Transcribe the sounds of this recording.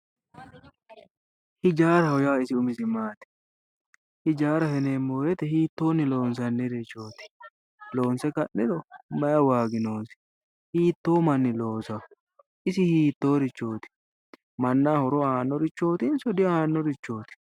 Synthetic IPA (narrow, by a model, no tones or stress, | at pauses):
hɪd͡ʒaːɾɐhɔjaːɪsɪʊmɪsɪmaːt̪ɪ̥ | hɪd͡ʒaːɾɐhɛneːmːoːjɛt̪ɛhiːt̪ːo̞ːnːɪlo̞ːnsɐnːɪɾɪt͡ʃːo̞ːt̪ɪ̥ | lo̞ːnsɛkɐʔːɪd̪ɔmɐjɐwaːɡɪno̞ːsɪ̥ | hiːt̪ːo̞ːmɐnːɪlo̞ːsɐ | ɪsɪhiːt̪ːo̞ːɾɪt͡ʃːo̞ːt̪ɪ̥ | mɐnːaːhɔɾɔaːnːɔɾɪt͡ʃːo̞ːt̪ɪnsɔd̪ɪaːnːɔɾɪt͡ʃːo̞ːt̪ɪ̥